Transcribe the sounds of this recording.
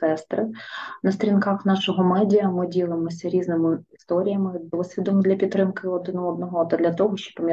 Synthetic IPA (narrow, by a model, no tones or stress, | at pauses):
ɛst̪ɾɪnɐst̪ɾʲinkaxnɑʃɔɦɔmɛdʲijɐmɪdʲilˠɪmɔsʲɐɾʲiznɪmɪist̪ɔɾʲijɐmɪd̪ɔsʲʋʲid̪ɔnʊd̪lʲɐpʲit̪ːɾɪmkɪɔd̪ɪnɔɔd̪̚nɔɦɔt̪ɐd̪lʲɐt̪ɔɦɔʃt͡ʃɔ̥pːɔmʲ